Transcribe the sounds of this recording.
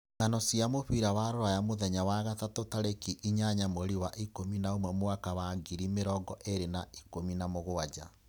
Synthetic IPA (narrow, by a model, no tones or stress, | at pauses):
ŋanɔsiamoɸiɾawaɾoɾajamoðɛɲawaɣatatotaɾekiʔiɲaɲamoɾiwaʔikominaomwɛmoakawaɡiɾimeɾɔɡɔʔeɾenaʔikominamoɣoad͡ʑa̰